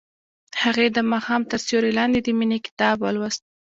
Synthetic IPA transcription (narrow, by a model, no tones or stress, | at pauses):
haɣed̪əmɑxɑmt̪əɾsoɾelɑnd̪ed̪əminikɪ̥t̪ɑbwa̰lwast̪̚